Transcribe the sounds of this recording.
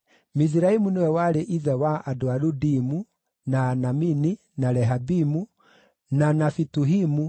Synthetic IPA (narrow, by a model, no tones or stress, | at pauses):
mis̬iɾaimunewɛwaɾeʔiðɛwaʔadɔaɾudimu | naːnamini | naɾɛɦabimu | nanafituɦimu